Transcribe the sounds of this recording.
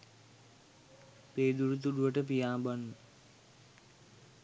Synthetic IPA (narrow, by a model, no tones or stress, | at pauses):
peːd̪uɾut̪̬uɖuʋəʈəpijaːbanːə